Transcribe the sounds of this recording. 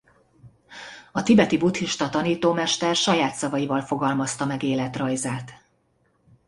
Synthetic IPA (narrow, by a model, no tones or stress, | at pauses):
ɒt̪ibɛt̪ibut̪hiʃt̪ɒt̪ɒniːt̪oːmɛʃt̪ɛrʃɒjaːt̪sɒvɒjivɒlfo̞ɡɒlmɒst̪ɒmɛɡeːlɛt̪rɒjzaːt̪